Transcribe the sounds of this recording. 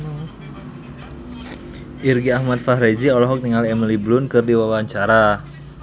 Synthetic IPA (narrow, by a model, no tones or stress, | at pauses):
ʔirɡiahmat̪̚fahɾed͡ʒiɔlɔɦɔk̚t̪iŋaliɛmiliblʊnkɨrdiwawaɲt͡ʃaɾa